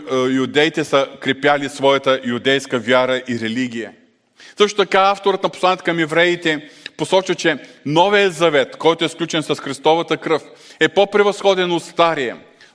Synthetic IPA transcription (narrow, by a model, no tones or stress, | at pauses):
jud̪ɛjt̪ɛsəkɾɛpʲjalisvɔjɐt̪əjud̪ɛjskəvʲjaɾəʔiɾɛliɡʲijə | sɤʃt̪ot̪ɐkaaft̪oɾət̪nɐposlˠanʲɛt̪ə̥kɐmɛvɾɛit̪ɛposɔt͡ʃvɐt͡ʃɛnɔvijəzɐvɛt̪kɔjt̪oɛsklʲut͡ʃɛnsɐsxɾist̪ɔvɐt̪əkɾɤf | ɛpopɾɛvɐsxɔd̪ɛnot̪st̪aɾijɛ̰